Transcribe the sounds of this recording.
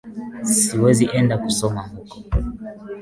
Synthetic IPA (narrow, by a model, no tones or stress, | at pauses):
siwɛziʔɛndakusɔmaŋukɔ̥